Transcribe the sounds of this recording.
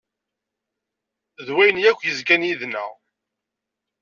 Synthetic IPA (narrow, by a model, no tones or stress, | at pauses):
ðwæjənjækʷːjəzkænjiðnæ̰